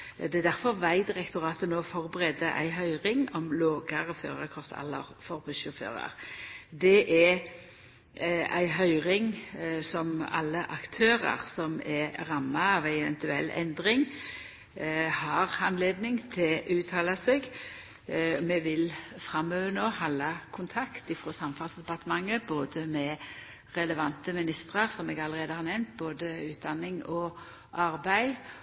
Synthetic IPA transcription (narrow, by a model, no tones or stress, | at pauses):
d̪ɛæd̪æʁfɔʁʋæɪd̪ɪʁɛkt̪ʊʁɑːt̪ənoːfɔʁbəʁeːd̪əʔæ̰ɪɦœʏʁɪŋɔmloːɡɑʁɔfø̰ːʁəkʰʁɔft̪ʰɛ̰lːə̰ʁfɔʁbʉsʊfø̰ːʁɑ̰ʁd̪ɛʔɛ | æ̰ɪɦœʏʁɪŋsɔmɑ̰lːəʔɑkt̪ʰøːʁɑ̰ʁsɔmɛʁɑmːɑɑʋæɪɛʋɛ̰nt̪ʉɛ̰lːɛ̰nd̪ʁɪŋ | hɑʁɑnleːd̪nɪŋt̪ʰɪlʔʉːt̪ʰɑːlɑseːɡ | mɛʋɪlfʁɑmøːʋənoːhɑlːɑkʰʊnt̪ʰɑkt̪ɪfʁoːsɑmfɑːlsd̪ɛpɑt̪əmɑŋːəboːd̪əmɛ | ʁɛləʋɑnt̪əmɪnɪst̪ʁəʁsɔmeːɡɑlːəʁeːd̪əhɑɾnɛmnt̪̚boːd̪əʉːt̪̚d̪ɑnːɪŋɔ | ʔɑʁbæɪ